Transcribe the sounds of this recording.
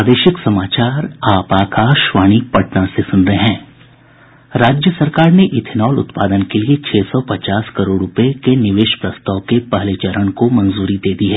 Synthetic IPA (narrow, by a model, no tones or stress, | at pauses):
aːd̪eːʃɪksɐmaːt͡ʃaːɾaːpaːkʰaːʃʋaːɽ̃ipɐʈnãsesʊnɾəɦɛ̃ː | ɾaːd͡ʒjəsɐɾkaːɾneʔɪt̪ʰɪnɔːlʊ̰t̪paːd̪ənkeliet͡ʃʰeːsɔpɐt͡ʃaːskɐɾoːɖɾʊpəekenɪʋeːʃpɾɐst̪aːkepɐɦleːt͡ʃəɾəɽ̃komɐnzuːɾid̪eːd̪iɦɛː